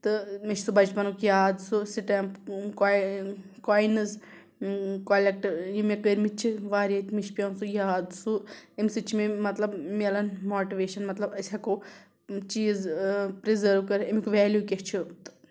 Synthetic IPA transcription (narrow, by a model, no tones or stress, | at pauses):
t̪ɨmiʃsubɐt͡ʃpɐnukjaːd̪susiʈɐmpka | kaːjnɨz | koːlek̚ʈɐɾjimekəɾmit͡ʃʰiʋaːɾʲet̪ʲmiʃpʲjɐnsujaːd̪suemsɨt͡ʃʰimemɐt̪lɐbmiɐlɐnmoːʈiʋeːʃɐnmɐt̪lɐbɐsʲɐko | t͡ʃiːzpɾizɐɾʋkɐɾemikuʋɛːljuːkʲeht͡ʃʰut̪ɨ̥